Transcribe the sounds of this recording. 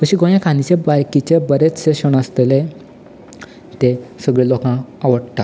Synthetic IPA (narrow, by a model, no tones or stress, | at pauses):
kəɕiɡõjãkʰãnit͡ɕebaɾkit͡ɕebəɾet͡sseɕəɽ̃ast̪ele | t̪esəɡɭelokãaʋəɽt̪a